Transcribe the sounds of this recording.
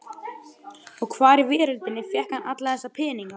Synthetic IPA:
ɔɣkʰvaːɾɪvɪːɾʏlt̪ɪnːɪfjɛhkanat̪laθɛsːapʰɪːniŋka

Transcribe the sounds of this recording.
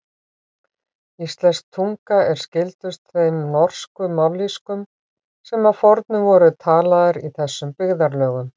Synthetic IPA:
ist̪lɛnsk̚t̪ʰuŋkaɛɾ̥scɪlt̪ʏst̪θfejmnɔr̥skʏmawlːiskʏm | sɛmaðfɔɾt̪nʏvɔːɾʏt̪ʰaːlaðɪɾiθɛsːʏmpɪɣðaɾlœːɣʏm

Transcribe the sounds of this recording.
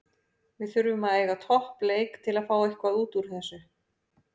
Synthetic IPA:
vɪðθʏɾvʏmaðeːjɣat̪ʰɔhpleːjkt̪ʰɪlaðfaːwehkvaðuːt̪uɾ̥θɛsːʏ

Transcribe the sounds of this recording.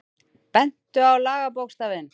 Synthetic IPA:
pɛn̥t̪ʏawlaːɣap̬owkst̪avɪn

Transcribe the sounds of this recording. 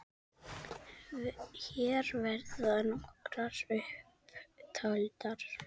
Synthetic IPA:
çɛːɾvɛɾðʏanɔkɾaɾʏhpt̪ʰalt̪aɾ̥

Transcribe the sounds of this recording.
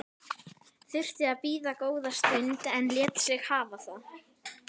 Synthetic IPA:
θʏr̥t̪ɪaðpiːðakoːwðast̪ʏnt̪ɛnljɛt̪sɪɣhaːvaθa

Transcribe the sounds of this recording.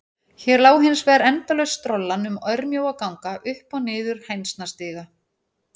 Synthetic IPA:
çɛɾlaːwɦɪnsvɛɾɛnt̪alœjst̪ɾɔlːanʏmœɾmjoːwakawŋkaʔʏhpawnɪːðʏɾ̥hejnst̪nast̪ɪːɣa

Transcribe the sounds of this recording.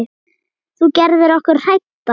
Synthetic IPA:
θucɛɾðɪɾɔhkʏɾ̥r̥ajt̪ːa

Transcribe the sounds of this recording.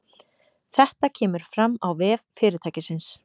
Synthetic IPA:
θɛht̪acʰɛːmʏɾ̥fɾamːawvɛːvfɪːɾɪɾt̪ʰaːjcɪsɪns

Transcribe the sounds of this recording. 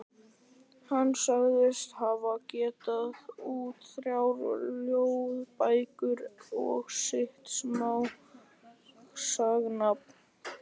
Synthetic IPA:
hanːsaɣðɪst̪havacɛːt̪aðuːt̪θɾjawɾljowðpaːjkʏɾɔ̰ɣsɪht̪smaw | saɣnap̚n

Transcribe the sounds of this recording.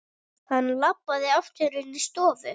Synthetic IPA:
hanːlapːaðɪaft̪ʏɾɪnist̪ɔːvʏ

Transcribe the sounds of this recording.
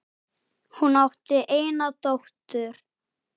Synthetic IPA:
hunawht̪ɪʔeːjnat̪owht̪ʏɾ̥

